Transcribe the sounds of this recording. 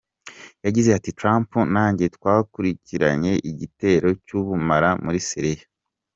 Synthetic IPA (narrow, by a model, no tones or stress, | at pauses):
jaɟize̞atitɾaːmpunaːɲɟe̞twaːkuɾiciɾa̰ɲe̞ʔiɟite̞ːɾo̞cuβumaɾamuɾisiɾija